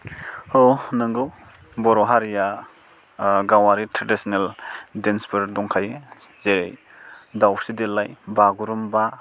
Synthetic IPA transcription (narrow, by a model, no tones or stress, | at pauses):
onɯŋɡɯ | bɔɾɔɦaɾija | ɡawaɾitʰɾedisɔneldenspɔɾdɔŋkʰaje | zeɾḛj | dawsidelːajbaɡuɾumba